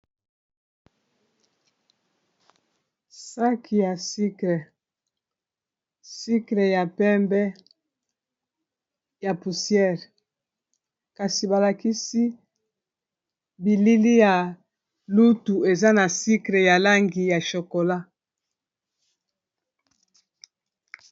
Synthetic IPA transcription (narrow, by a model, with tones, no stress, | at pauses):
sa˦kʰi˨ja˨si˦kle˨ | si˦kle˨ja˨pɛ˦mbɛ˦ | ja˨pu˨sjɛ˦˨ʁ | ka˨si˨ba˨la˨ki˦si˦ | bi˨li˦li˦ja˨ | lu˦tu˨e˨za˦na˨si˦kle˨ja˨la˦ŋɡi˨ja˨ʃo˨ko˨la˦